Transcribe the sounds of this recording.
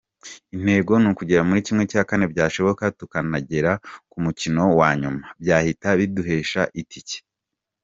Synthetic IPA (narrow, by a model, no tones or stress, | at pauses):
in̥he̞ːɡo̞nukuɟe̞ɾamuɾicimŋe̞caːkane̞bɟaːʃo̞βo̞katukanaɟe̞ɾakumucino̞waːɲumabɟaːhitaβiduɦe̞ːʃa̰ʔitʰice̥